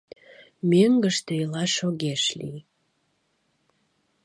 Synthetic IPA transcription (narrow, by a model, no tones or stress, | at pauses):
møŋɡəʃt̪eilɑʃoɣeʃlḭ